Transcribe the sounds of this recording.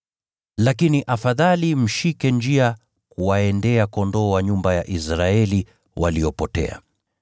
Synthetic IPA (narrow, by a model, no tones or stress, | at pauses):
lakiniʔafaðalim̩ʃikɛnd͡ʒia | kuwaɛndɛakɔndɔːwaɲumbajaʔisɾaɛli | waliɔpɔtɛ̰a̰